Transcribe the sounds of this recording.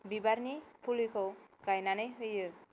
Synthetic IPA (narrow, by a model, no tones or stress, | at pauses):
bibaɾnipʰulikʰɔkajnanejɦojɯ